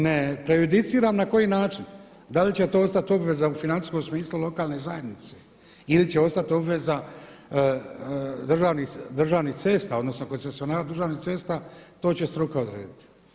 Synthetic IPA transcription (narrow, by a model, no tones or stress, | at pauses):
nepɾe̞jud̪it̪siːɾaːmnako̞jiːnaːt͡ʃin | d̪alit͡ɕe̞t̪oost̪at̪io̞bʋe̞zaufinant̪i̥sko̞msmiːslˠulo̞kaːlne̞zaje̞d̪nit̪se | ilit͡ɕeo̞st̪at̪io̞bʋe̞za | d̪r̩ʒaːʋnid̪r̩ʒaːʋniht̪se̞ːst̪aːo̞d̪no̞sno̞ko̞nsesio̞naːɾad̪r̩ʒaːʋniht̪se̞st̪aːt̪o̞ːt͡ɕe̞st̪ɾukaod̪ɾḛːd̪it̪i̥